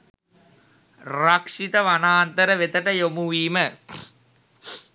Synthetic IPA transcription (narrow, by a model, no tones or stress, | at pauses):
rakʂit̪əʋanaːnt̪əɾəʋet̪əʈəjomuʋiːmə